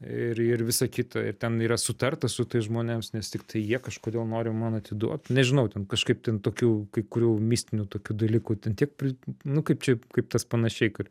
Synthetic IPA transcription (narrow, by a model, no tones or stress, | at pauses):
ɪrɪrʋʲɪsɐkʲit̪ɐɪ̰rt̪ʲɛniːɾɐsʊt̪ɐrt̪ɐsʊt̪ɐɪsʒmoːnʲemsnʲɛst̪ʲɪkt̪ʰɐɪjiɛkɐʃkoːd̪ʲeːlˠnoːɾʲɪmɐnɐt̪ʲɪd̪ṵɔt̪nʲɛʒʲɪnɐʊt̪ʲɛnkɐʃkɐɪp̚t̪ʲɛnt̪oːkʲuːkɐɪkʊɾʲuːmʲiːsʲt̪ʲɪnʲuːt̪oːkʲuːd̪ɐlʲiːkuːt̪ʲɛnt̪ʲiɛk̚pʲrʲɪnʊkɐɪpt͡ʃʲɛkɐɪpt̪ɐspɐnɐʃʲɛɪkɐt